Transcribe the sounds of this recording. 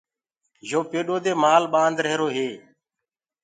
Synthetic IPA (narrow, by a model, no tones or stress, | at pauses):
ʒoːpeːɗoːd̪eːmaːlɓãːnd̪ɾəɦɾoːɦeː